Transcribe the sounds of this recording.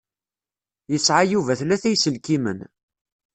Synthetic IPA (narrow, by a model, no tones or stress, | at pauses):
jəsʕajuvæθlæθæjsəlkimə̰n